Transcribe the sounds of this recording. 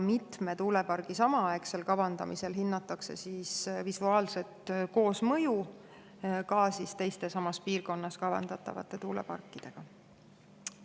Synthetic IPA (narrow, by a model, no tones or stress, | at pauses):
mit̪me̞t̪uːle̞pɑrɡ̥isɑmɑɑekse̞lkɑvɑnd̪ɑ̰mise̞lɦinːɑt̪ːˑɑkse̞̰sisvisuɑːlse̞t̪ko̞ːsmɤju | kɑːsist̪e̞jst̪e̞sɑmɑspiːrko̞nːɑskɑvɑ̰nd̪ɑt̪ːˑɑ̰vɑ̰t̪ːˑe̞t̪uːle̞̰pɑ̰rkːid̪̥e̞ɡ̥ɑ